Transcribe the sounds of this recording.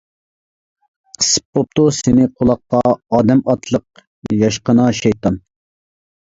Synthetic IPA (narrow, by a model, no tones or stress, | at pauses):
qʰə̥sɨ̥pːop̚t̪usɪnɪqʰolˠɑqːɑɑːd̪ɛmɑt̪ʰlˠəq̚ | jɑʃqənɑʃɛjt̪ʰɑn